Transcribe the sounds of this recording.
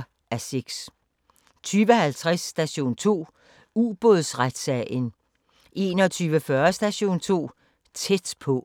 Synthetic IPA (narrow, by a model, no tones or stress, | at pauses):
æse̝ɡ̥s | t͡sʰyːʋəhælt͡sʰʁasːd̥æɕo̝̰ːnt͡sʰo̝̰ː | uːb̥oðˠsʁad̥sɛən | ʔe̝ːnɒ̽t͡sʰyːʋəfɶɐsd̥æɕo̝̰ːnt͡sʰo̝̰ː | t͡sʰed̥pʰɔ̽